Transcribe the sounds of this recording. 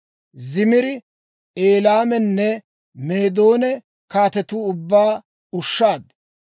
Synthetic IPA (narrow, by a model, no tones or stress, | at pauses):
zɪmɪɾɪ | eːlaːmɛnːɛ | me̞ːd̪o̞ːnɛ | kaːt̪ɛt̪uːʊbːaː | ʊʃːaːd̪